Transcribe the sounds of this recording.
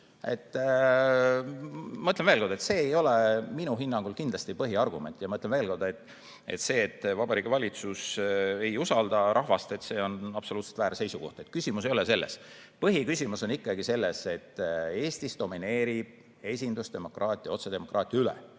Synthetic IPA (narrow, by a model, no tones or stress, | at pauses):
et̪ː | mɤt̪lenvelko̞rd̪̥et̪se̞ːjo̞leminuɦinːɑŋɡ̥ulkind̪lɑst̪ipɤɦiɑrɡ̥ume̞̰nʲt̪ːˑjɑmɤt̪lenveːlko̞rd̪̥ɑet̪ːˑ | et̪se̞ːt̪ːˑvɑbɑɾiːɡ̥evɑlʲit̪suse̞jusɑld̪ɑɾʔɑɦvɑst̪e̞t̪se̞ːo̞nɑb̥soluːt̪se̥t̪væːɾse̞jsuko̞̰ht̪e̞t̪̚kysʲimus̬e̞jolese̞lːḛs | pɤɦikysʲimuso̞nikˑːɑɡise̞lːese̞t̪ːe̞ːsʲt̪isd̪̥o̞mine̞ːɾib̥̚ | e̞sʲind̪ust̪d̪e̞mo̞krʔɑːt̪ʲˑijɑo̞t̪sed̪e̞mo̞krɑːt̪ˑjɑylɛ̰